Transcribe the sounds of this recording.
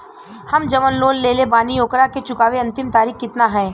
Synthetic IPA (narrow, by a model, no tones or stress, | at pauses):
hɐmd͡ʒɐʋənloːlːeːlebaːnijoːkɾaket͡ʃʊkaːʋeɐ̃nt̪ɪmt̪aːɾiːxkɪt̪naɦɛː